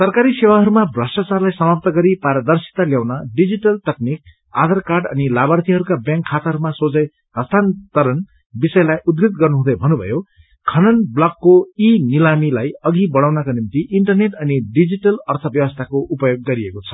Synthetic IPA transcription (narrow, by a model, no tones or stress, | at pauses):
sʌrkaɾisewaɦʌɾumabrʌsʈat͡sarlajsʌmap̚t̪ʌɡʌɾipaɾʌd̪ʌrsi̥t̪aljawnʌɖid͡ziʈʌlt̪ʌk̚nik̚ | a̰d̪ʌrkarɖʌ̰nilabʌrt̪ʰiɦʌɾukabjãŋkʰːat̪aɦʌɾumasod͡zʌj | ɦʌst̪ʰant̪ʌɾʌn | bisʌjlajud̪ɡit̪̚ɡʌrnuɦũd̪ʌjbʱʌnubʱʌ̰jo | kʰʌnʌnblʌkːoinilamilajʌɡibʌɽ̃awnʌkanimt̪iʔiɳʈʌrneʈʌniɖid͡ziʈʌlʌrt̪ʰʌbjʌwʌst̪ʰakoʔupʌjoɡːʌɾiekot͡sʰʌ̥